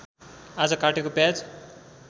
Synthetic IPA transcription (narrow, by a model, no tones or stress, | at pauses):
ad͡zʌkaʈekopjad͡z